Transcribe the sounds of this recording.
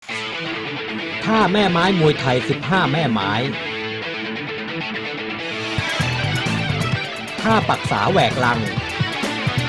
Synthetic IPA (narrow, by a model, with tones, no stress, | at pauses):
t̪ʰaː˥˩mɛː˥˩maː˦˥jmu˧əjt̪ʰa˧jsi˨˩p̚ɦaː˥˩mɛː˥˩maː˦˥j | t̪ʰaː˥˩pa˨˩k̚sa̰ː˩˦wɛː˨˩k̚la˧ŋ